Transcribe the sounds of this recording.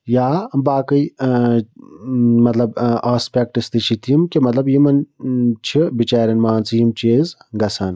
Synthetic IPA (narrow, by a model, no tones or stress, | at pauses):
jaːbaːkɐj | mɐt̪lɐbaːspʲek̚ʈist̪it͡ʃʰit̪ʰijimkimɐt̪lɐbjimɐnt͡ʃʰibit͡ʃaːɾʲɐnmaːnt͡sjimt͡ʃeːzɡɐsʰɐn